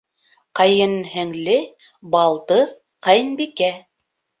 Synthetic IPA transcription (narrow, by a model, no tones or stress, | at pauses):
qɑjɤnhɘ̆ŋlɘ | bɑlˠt̪ɤð | qɑjnbikæ